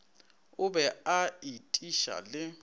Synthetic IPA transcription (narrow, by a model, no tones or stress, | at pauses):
ʊbɛaitʼiʃa̰lɪ